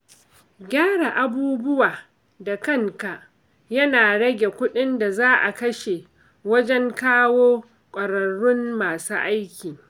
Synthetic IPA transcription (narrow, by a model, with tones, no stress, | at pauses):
ɡʲaː˦ɽa˨ʔa˨buː˦bʊ˦waː˨ | da˨kɐ˦˨ŋka˨ʔ | jɐ˦naː˨ɽɐ˦ɡʲe˨kʷʊ˦ɗɪ˦nda˨zaː˦ʔa̰˨kɐ˦ʃe˨ | wɐ˦d͡ʒɛ˦ŋkaː˦woː˦ | kʷʼɐ˨ɽɐ˨ɽːʊ˦mːaː˨sṵː˦ʔa˦jkʲiː˨